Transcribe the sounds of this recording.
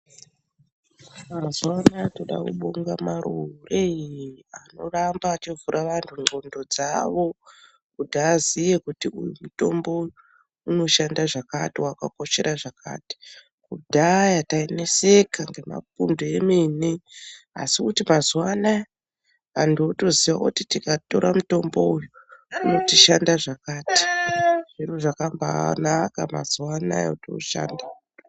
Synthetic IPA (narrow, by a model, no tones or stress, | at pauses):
mazwanato̞ɗa̰kṵɓuŋɡamaɾureano̞rambaːt͡ʃivuɾʔaʋantʰuŋ͡ǃo̞ndo̞d͡zaʋo̞ | kudʱaːzije̞kutiujumuto̞mbo̞ | uno̞ʃandaʐakatiwaka̰ko̞ʃe̞ɾʔaʐaka̰ːti̥ | kudʱajataine̞sekʰaŋɡe̞ma̰pundoemenea̰sikutimazwana | andoto̞ziʋakutitikato̞ɾamuto̞mbo̞ujuuno̞tiʃandaʐakaːti̥ʐiruʐakamba̰nakama̰zwana̰j̰uto̰ʃa̰ːnda